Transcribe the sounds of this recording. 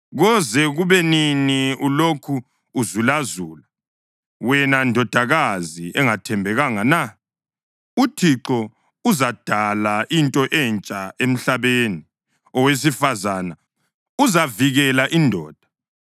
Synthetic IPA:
ɣɔzɛɣuβɛniniulokʰuː | zulazuːla | wɛnandʱɔd̥ʱaɣaziʔɛŋatʰɛmbʱɛɣaŋana | utʰiǁɔ | uzad̥ʱalaʔintʼɔʔɛnt͡ʃʼaem̩ɬaβeni | ɔwes̬ifazana | uzaviɣɛlaʔindʱɔ̰ːd̥ʱa

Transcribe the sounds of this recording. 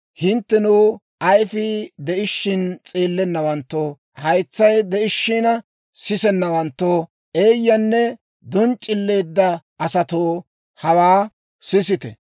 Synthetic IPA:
hɪnt̪ːɛnuː | ɐjfɪd̪ɛʔɪʃːɪnt͡sʼeːlːɛnːɐwɐnt̪ːoː | hɐjt͡sːɐjd̪ɛʔɪʃːɪnɐ | sɪsɛnːɐwɐnt̪ːoː | ʔeːjːɐnːɛ | d̪ɔnt͡ʃʼːɪlːe̞ːd̪ːɐ | ɐsɐt̪oː | hɐwaː | sɪs̬ɪt̪ɛ̰

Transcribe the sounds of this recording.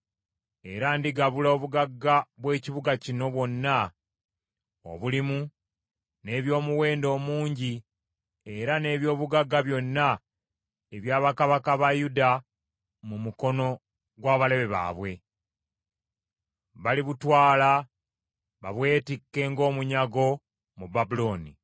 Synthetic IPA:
e̞ɾandiɡaβulaoβuɡaɡːaβwe̞ːciβuɡacino̞βwo̞nːa | o̰βulimu | ne̞βjo̞ːmuwe̞ːndo̞ːmuːɲɟi | e̞ɾane̞ːβjo̞ːβuɡaɡːaβjo̞nːa | eβjaːβakaβakaβajuda | mumuko̞no̞ | ɡwaːβale̞βe̞βa̰ːβwe̞ | βaliβutwaːla | βaβwe̞ːtikːe̞ːŋɡo̞ːmuɲaɡo̞ | mubabulo̞ːnḭ

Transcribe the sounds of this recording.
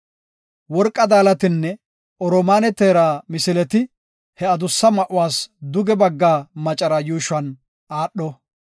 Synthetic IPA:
wɔɾkʼːɐd̪aːlɐt̪ɪnːɛ | ɔɾɔmaːnɛt̪eːɾaːmɪsɪlɛt̪ɪ | hɛɐd̪ʊsːɐmɐʔʊwaːsd̪ʊɡɛbɐɡːaːmɐt͡ʃʼɐɾɐjuːʃɐn | aːɗːɔ

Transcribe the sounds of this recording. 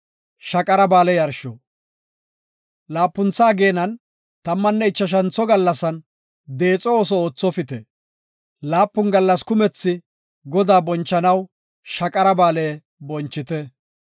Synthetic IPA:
ʃɐkʼɐɾɐbaːlɛjɐɾʃɔ | laːpːʊnt͡sːaːɡe̞ːnɐn | t̪ɐmːɐnːɛɪt͡ʃːɐʃ̬ɐnt͡sːɔɡɐlːɐsɐn | d̪e̞ːt͡sʼɔoːs̬ɔoːt͡sːɔfɪt̪ɛ | laːpːʊnɡɐlːɐskʊmɛt͡sːɪ | ɡɔd̪aːbɔnt͡ʃːɐnɐw | ʃɐkʼɐɾɐbaːleː | bɔnt͡ʃːɪt̪ɛ

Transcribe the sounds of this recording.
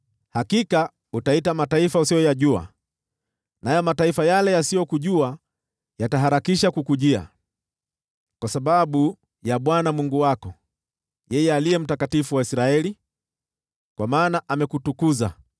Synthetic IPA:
hakika | utaitamataifausijɔjaʄua̰ | najɔmataifajalɛjasijɔkuʄua | jataɦaɾakiʃakukuʄia̰ | kwasaɓaɓu | jaɓwanamuŋɡuwakɔ | jɛjɛaliɛm̩takatifuwaisɾaɛli | kwamaːnaʔamɛkutukuza

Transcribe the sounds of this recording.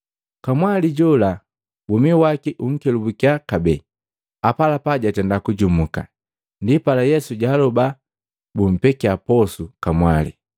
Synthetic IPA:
kamwaliɟɔla | bumiwakiʔuŋ̩kɛlubukiakabɛ | apalapaɟatɛndakuɟumuka̰ | ndipalajɛsuɟaːlɔba | bum̩pɛkiapɔsukamwalḭ

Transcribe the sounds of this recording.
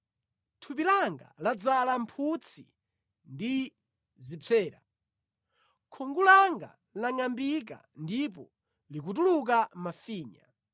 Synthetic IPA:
tʰupilaŋɡa̰lad͡zalampʰut͡sʰi | ndi | zip͡fʰɛːɾa | kʰɔŋɡulaŋɡa̰ | laŋambik̬a̰ | ndip̬ɔ | likut̬uluk̬amafiːɲa̰

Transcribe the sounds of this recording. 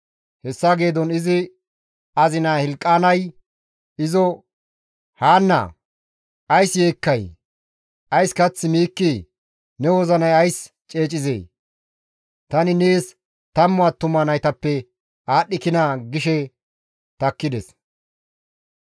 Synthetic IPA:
hɛsːaɡeːd̪ɔnɪzɪ | ɐzɪnaːhɛlkʼːaːnɐj | ɪzɔ | haːnːɐ̰ | ʔɐjsje̞ːkːɐj | ʔɐjskɐt͡sːɪmiːkːɪ | nɛwɔzɐnɐjɐjs | t͡ʃʼe̞ːt͡ʃʼɪzḛː | t̪ɐnɪneːs | t̪ɐmːɔaːt̪ːʊmːɐnɐjt̪ɐpːɛ | aːɗːɪkɪnaɡɪʃɛ | t̪ɐkːɪd̪ɛ̰s

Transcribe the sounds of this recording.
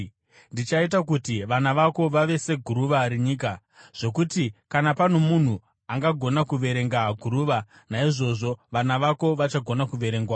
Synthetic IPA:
ndit͡ʃaitakutiʋanaʋako̞ʋaʋe̞se̞ɡʱuɾuʋaɾeɲiːk̬a | ʐ̥o̞kutikanapan̤o̞mun̤u | aŋɡaɡʱo̞nakuʋe̞ɾe̞ŋɡaɡʱuɾuːʋa | naiʐo̞ʐo̞ʋanaʋako̞ʋat͡ʃaɡʱo̞nakuʋe̞ɾe̞ŋɡwaː

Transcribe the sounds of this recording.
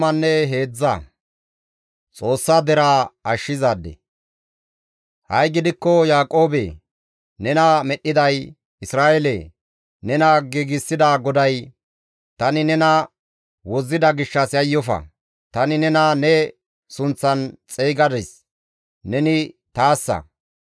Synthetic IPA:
mɐnːɛɦe̞ːd͡zːɐ̰ | t͡sʼo̞ːsːad̪ɛɾaːɐʃːɪzaːd̪ːɛ̰ | hɐjɡɪd̪ɪkːɔjaːkʼo̞ːbḛ | nɛnɐmɛɗːɪd̪ɐj | ɪsɾaːʔele | nɛnɐɡiɡɪsːɪd̪aːɡɔd̪ɐj | t̪ɐnɪnɛnɐ | wɔzːɪd̪ɐɡɪʃːɐsjɐjːɔfɐ̰ | t̪ɐnɪnɛnɐnɛ | sʊnt͡sːɐnt͡sʼeːɡɐd̪ɛs | nɛnɪt̪aːsːɐ̰

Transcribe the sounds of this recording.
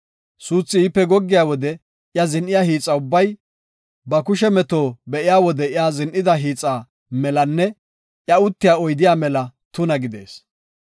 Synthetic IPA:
suːt͡sːɪipːɛɡɔɡːɪjaːwɔd̪ɛ | jɐzɪnʔɪjaːhiːt͡sʼːɐʊbːɐj | bɐkʊʃɛmɛt̪o̞ːbɛʔɪjaːwɔd̪ɛɪjaːzɪnʔɪd̪ɐɦiːt͡sʼːaː | mɛlɐnːɛ | ʔjɐʊt̪ːɪjaːɔjd̪ɪjaːmɛlɐt̪ʊnɐɡɪd̪ḛːs

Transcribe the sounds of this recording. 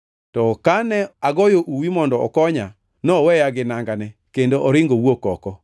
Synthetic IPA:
tɔkanɛaɡɔjoʔuwimɔndɔɔ̰kɔɲa | nɔwɛjaɡɪnaŋɡanɛkendoʔɔɾɪŋɡowokɔkɔ

